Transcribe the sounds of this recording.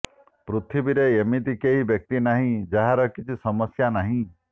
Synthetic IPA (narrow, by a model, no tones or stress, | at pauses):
pɾut̪ʰibiɾeemit̪ikeɦibjɔk̚t̪inaɦĩd͡ʒaɦaɾɔkit͡ʃʰisɔmɔsjanaɦĩ